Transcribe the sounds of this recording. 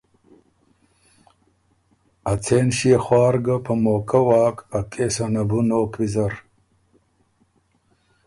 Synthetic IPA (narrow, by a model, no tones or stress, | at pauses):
ɐt͡sʰeːnɕieχwaːɾɡapʰɐmoːkɐwaːkɐkʰʼeːsanɐbunoːkʰwizɐɾ